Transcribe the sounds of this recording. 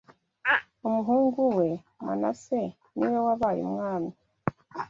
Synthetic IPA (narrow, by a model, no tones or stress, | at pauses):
omuɦuːŋɡuwe̞ | ma̰na̰se | niwowaβaɾḭmŋaːmi